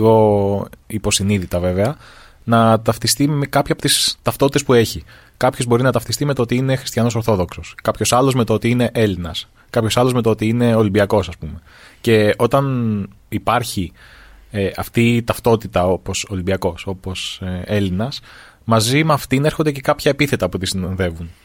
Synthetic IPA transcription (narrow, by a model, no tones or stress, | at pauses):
ɣo̞ | ipo̞siniðit̪ɐve̞veɐ | nɐt̪ɐft̪ist̪imekɐpçɐpot̪ist̪ɐft̪o̞t̪i̥t̪espue̞çi | kɐpçozbo̞ɾinɐt̪ɐft̪ist̪imeoot̪iine̞xɾist̪çɐnoso̞ɾθo̞ðo̞kso̞skɐpço̞sɐlo̞zme̞t̪oot̪iine̞ʔe̞linɐs | kɐpço̞sɐlozmet̪oo̞t̪iine̞o̞limbiɐko̞sɐspume̞ | ce̞o̞t̪ɐn | ipɐɾçi | eɐft̪it̪ɐft̪o̞t̪it̪ɐo̞po̞so̞limbiɐko̞so̞po̞se̞linɐs | mɐzimɐft̪ineɾxond̪ece̞kɐpçɐepiθe̞t̪ɐput̪isinɐnðe̞vun